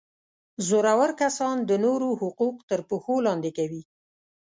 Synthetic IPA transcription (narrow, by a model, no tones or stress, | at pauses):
zoɾawaɾkasɑnd̪ənoɾohʊquqt̪əɾpuxolɑnd̪ekawi